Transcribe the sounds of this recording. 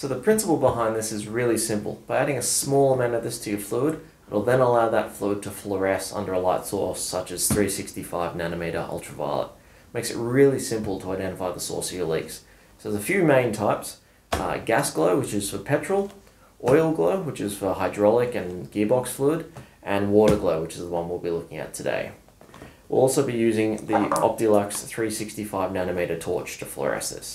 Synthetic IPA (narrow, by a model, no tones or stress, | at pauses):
soʊðəpʰɹ̥ɪ̃nsəpl̩ˠbəɦãɪ̃nðɪsɨzɹɪlˠisɪ̃mpl̩ˠb̥aɪæɾɪ̃ŋɨsmɔlˠəmæ̃nɨvɪsɾiʌv̥flud̚ | wɪ̰lˠðɨ̃nəlaʊðətflud̚tʰəflə˞ɛsʌ̰̃ndə˞əlaɪtsɔ̰ɹsʌt͡ʃɨz̥θɹisɪkstifaɪvnænɨmiɪɾə̰˞ʔʌ̰lˠtʰɹ̥əva̰ɪlˠə̰t̚ | meɪksɨ̰t̚ɹɪlˠisɪ̃mpl̩ˠtʰəaɪdɛ̃ɾ̃əfaɪðəsɔ̰ɹsiəlḭks | ðəzəfjʉmẽɪ̃ntʰaɪps | ɡæsɡ̥loʊwɨt͡ʃɨz̥fə˞pʰɛt͡ʃɹ̥l̩ˠ | ʔɔɪl̩ˠɡloʊwɨt͡ʃɨz̥fə˞haɪdɹɑlˠɪkɨ̃nɡ̥ibɑksfluɾʔɨ̃nwɔɾəɡloʊwɨt͡ʃɨzðəwʌ̃nwilˠbilʊkɪ̃ŋɨ̰tʰɨdḛɪ | wḭlˠɔlˠsoʊbijʉzɪ̃ŋðiɑ̰p̚tilɑksθɹisɪkstifaɪvnænɨmiɪɾətʰɔ̰t͡ʃtʰəflə̰ɹɛ̰sɨ̰s